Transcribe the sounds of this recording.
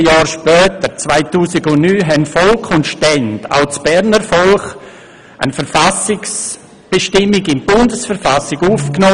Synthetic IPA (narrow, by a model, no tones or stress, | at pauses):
jɑːɾʃpœːtəɾt͡svaɪtuːsɪɡʊnnyːɦɛnfɔlkʰʊntʃtɛnda̰ʊt͡sb̥ɛɾnəɾfɔlχ | ʔə̰nfəɾfasɪks | b̥eʃtɪmɪɡɪnb̥ʊndəsfəɾfasɪɡuːfknoː